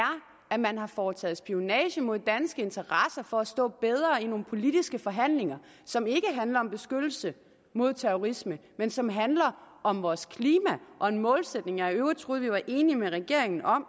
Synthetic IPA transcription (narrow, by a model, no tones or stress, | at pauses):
æɐ | æmænɦɑ̈fɒːt͡sʰɛ̰ːð̩ˠsb̥io̝nɛ̰ːɕəmo̝ð̞̰ˠd̥ænsɡ̥əe̝nt͡sʰɐʁɑsɐfɒ̽æsd̥ɔ̰̽ːb̥eð̞ˠʁɐino̝ːn̩pʰo̝lid̥isɡ̥əfɒ̽ɦæn̰le̝ŋɐ | sɒ̽me̝ɡ̥əɦænlɐɒ̽mb̥e̝sɡ̥ød̥l̩sə | mo̝ð̞̰ˠt͡sʰeʁoʁisməmensɒ̽mɦænlɐ | ɒ̽mʋɒːskʰliːmæʔɒ̽e̝nmɔ̽ːlsed̥ne̝ŋɑøʊɐt͡sʰʁuð̩ˠʋiʋɑ̈ʔe̝ːnimeʁɛɡ̥e̝ɐeŋn̩ʔɒ̽m